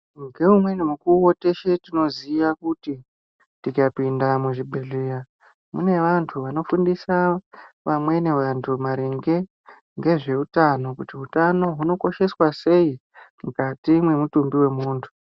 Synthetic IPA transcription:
ŋɡe̞umwe̞nemukuote̞ʃetino̞ziʋakuti | tikapindamuʐibʱeɮera | mune̞ʋantʰuʋano̞fundisaʋamwe̞ne̞ʋantʰumaɾeŋɡe̞ | ŋɡe̞ʐe̞utano̞kutiutano̞ɦuno̞ko̞ʃe̞swase̞i | mukatimwe̞mutumbiwe̞muːntʰu̥

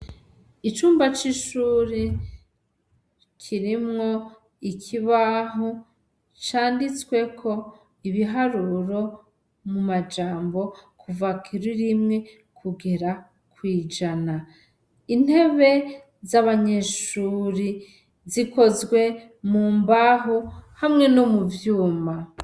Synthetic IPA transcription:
it͡ʃuːmbat͡ʃiʃuːɾi | kʰiɾimŋo̞ | ikʰiβaɦo | t͡ʃaːndit͡swe̞kʰo̞ | iβiɦaɾuɾo̞ | mumad͡ʒaːmbo̞kʰuvakʰiɾuɾimŋe̞ | kʰuɡe̞ɾa | kwiːd͡ʒana | in̥he̞βe̞ | zaβaɲe̞ʃuɾi | ziko̞zɡwe̞ | muːmbaɦohamŋe̞nomuvjuːma

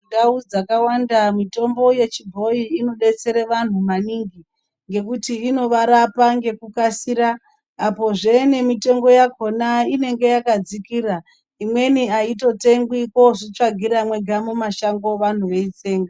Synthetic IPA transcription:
ndaud͡zakawandamito̞mbo̞je̞t͡ʃibʱo̞iːno̞ɗe̞t͡se̞ɾeʋan̤umaniːŋɡi | ŋɡe̞kutiːno̞ʋaɾapaŋɡe̞kukasiɾaː | po̞ʐene̞mite̞ŋɡo̞jako̞naine̞ŋɡe̞jakad͡zikiːra | imwe̞niaito̞te̞ŋɡwiko̞ʐit͡ʂaɡʱiɾamwe̞ɡʱamumaʃaŋɡo̞ʋan̤uʋe̞it͡se̞ːŋɡa

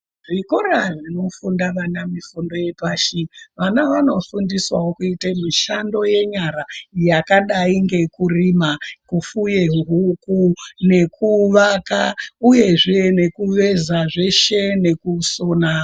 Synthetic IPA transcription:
ʐikoɾaʐino̞fundaʋanamifundo̞je̞paːʃiʋanaʋano̞fundiswawokuitemiʃando̞je̞ɲaɾajakaɗaiŋɡe̞kurimakufujeɦɦukune̞kʰuʋakauje̞ʐene̞kuʋe̞zaʐe̞ʃe̞ne̞kuso̞na

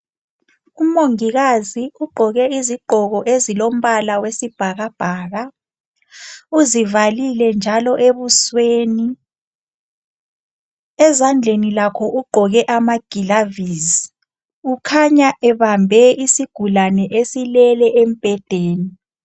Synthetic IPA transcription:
umoŋiɣaziuɡ͡ǃʱɔɣɛiziɡ͡ǃʱɔɣɔʔezilom̩βalawesib̥ʱaɣab̥ʱaːɣa | uzivalilɛnd͡ʒʱalɔʔeβusweːni | ɛzand͡ɮʱenilakʰɔʔuɡ͡ǃʱɔɣɛʔamaɡ̥ʱilavizi | ukʰaɲaʔɛβambʱɛisiɡ̥ʱulanɛʔesilɛlɛʔem̩pʼɛd̥ʱeːni

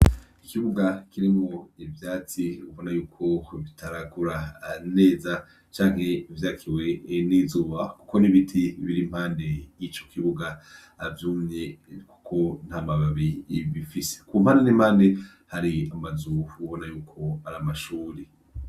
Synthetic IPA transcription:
ikiβuɡakiɾimŋoivjaːt͡siuβo̞najuːkʰo̞βitʰaɾakuɾane̞ːza | t͡ʃaːŋ̥he̞ivjaːkʰiwe̞nizuːβaku̥ko̞niβitʰiβiɾim̥haːndejit͡ʃo̞̥kʰiβuɡaː | vjuːmɲeku̥kʰo̞n̥amaβaβiβifise̥kum̥aːndenimhaːnde | haɾiamazuβo̞najuːkʰo̞aɾamaʃuːɾi

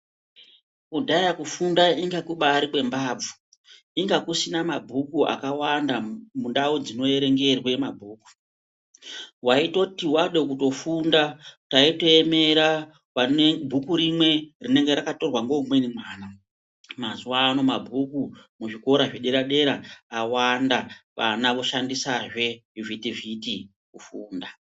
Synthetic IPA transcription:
kudʱajakufundaiŋɡakuɓaːɾikwe̞mbaːb͡vu̥ | iŋɡakusinamabʱukua̰kawandamunɗaud͡zino̞e̞ɾe̞ŋɡe̞rwemabʱuːku̥ | waito̞tiwaɗe̞k̬uto̞fundataito̞e̞me̞ɾa | ʋaebʱukuɾimwe̞rine̞ŋɡe̞ɾakato̞rwaŋɡo̞mwe̞nimwaːna | mazuaːno̞mabʱukumuʐiko̞ɾaʐeɗeɾaɗe̞ɾaːwandaʋanaʋoʃandisaʐe̞juvitiviti | kufuːnda

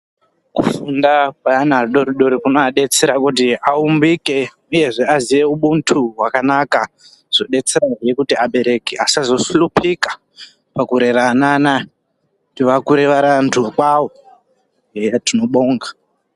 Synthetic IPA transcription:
kṵfundakwaanarɗoɾiɗo̞ɾikunoaɗe̞t͡seɾakutiaumbike̞ | uje̞ʐe̞aziʋe̞uɓuntʰuɦwakanaka | ʐ̥o̞ɗe̞t͡seɾarijekutiaɓe̞ɾe̞keasazo̞sulupʰikḁ | pakuɾe̞ranana | tiʋakuɾeʋaɾantʰukwawo | jatino̞ɓo̞ːŋɡa

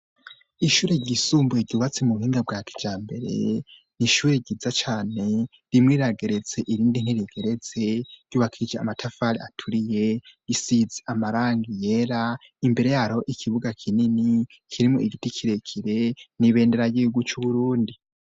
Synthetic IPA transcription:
iʃuːɾe̞ɟisuːmbueɾɟuːβat͡semuβuhiːŋɡab̚ɡaːki̥d͡ʒaːmbe̞ɾe̞̰ | niʃuːɾeɟizat͡ʃaːne̞ | ɾimŋiːɾaɡe̞ɾe̞ze̞ʔiɾiːndin̥hiɾiɡ̥eɾe̞z̥e̞̥ɟuːβakʰiid͡ʒea̰matʰafaɾiatʰuɾije̞jisizeamaɾaːŋɡije̞ɾa | imbe̞ɾe̞jaɾo̞ʔikʰiβuɡakʰinini | kʰiɾimuiɡitikʰiɾekʰiɾe̞niβe̞ːnde̞ɾajiuɡut͡ʃuβuɾuːndi

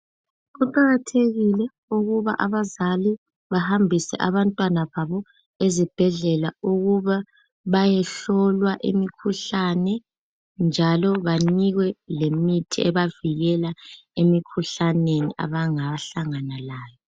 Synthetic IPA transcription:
ɣuǃaɣatʰeɣilɛ | uɣuβa̰ʔaβazali | βahambʱisɛ̰ʔaβantʼwanaβaβɔ | ezib̥ʱɛɮɛlauɣuβa | βajɛɬɔlwaʔḭmikʰuɬanɛ | nd͡ʒʱalɔβaniɣwɛlemitʰiɛβaviɣɛlaemikʰuɬanenḭʔa̰βaŋaɬaŋanalaːjɔ

